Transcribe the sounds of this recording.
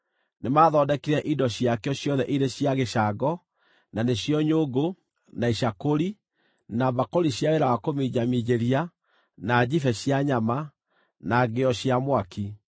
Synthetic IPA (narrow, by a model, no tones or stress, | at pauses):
nemaːðɔːdɛkiɾɛʔidɔɕiakeɔɕjɔðɛʔiɾeɕiaɣeʃaɡɔ | naneɕjɔɲoɡo | naiɕakoɾi | naβakoɾiɕjaeɾawakomid͡ʑamid͡ʑeɾia | nad͡ʑifɛɕjaɲama | naɡeɔɕjamwaki